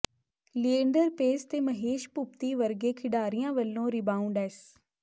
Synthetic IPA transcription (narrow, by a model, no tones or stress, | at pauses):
liẽːɳɖəɾpeːst̪emɐɦeːʃpʊp̚t̪iʋɐɾɡekʰɪɖaːɾijãʋɐlːõɾɪbãːũɳɖɛːs